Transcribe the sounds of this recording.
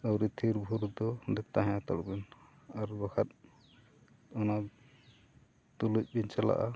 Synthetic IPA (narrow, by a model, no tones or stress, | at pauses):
əwɾit̪ʰiɾbʱuɾud̪ɔd̪ɛt̪aɦɛ̃at̪a̰ɽubɛn | aɾbakʰat̪̚ | ɔna | t̪uluc̚ˀbint͡ʃala̰ʔa